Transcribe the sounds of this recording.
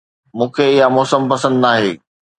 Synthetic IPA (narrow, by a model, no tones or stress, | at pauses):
mũːkʰeɪɦamɔːsəmpɐsə̃nd̪naːɦeː